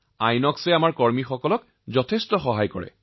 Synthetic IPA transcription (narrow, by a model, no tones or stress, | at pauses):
ajnɔksɛamaɹkɔɹmixɔkɔlɔk | zɔtʰestɔxɔɦajkɔ̰ɹɛ̰